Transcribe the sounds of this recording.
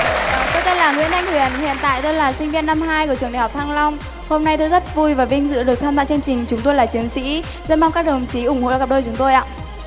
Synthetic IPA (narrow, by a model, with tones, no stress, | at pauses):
t̪o˧jt̪e˧nlaː˨˩ŋwḭ˧˥ənʔa˧jŋ̟hwi˨˧˩ənhḭ˧˨ənt̪a̰ː˧˨jt̪o˧jlaː˨˩sï˧ŋ̟vi˧ənːa˧mɦaː˧jku˧˩ət͡ɕɨ˨˩əŋɗa̰˨˧˩hk͡p̚t̪ʰaː˧ŋlɔ˧wŋ͡m | ho˧mna˧jt̪ʰɨ˨˧˦zə˦˥t̚vu˧jvaː˨˩vï˧ŋ̟zɨ̰˧˨ɗɨ˨˩ək̚t̪ʰaː˧mza̰ː˧˨t͡ɕɨ˧əŋt͡ɕï˨˩ŋ̟t͡ɕʊ˨˦ŋ͡mt̪o˧jlaː˨˩t͡ɕi˨˦ənsḭ˧˥ | zə˧˥maː˧ŋkaː˦˥k̚ɗə˨˩mt͡ɕi˨˦ʔʊ˧˩ŋ͡mho̰˧˨˧kːp̚ɗəː˧jt͡ɕʊ˨˦ŋ͡mt̪o˧jʔa̰ː˧˨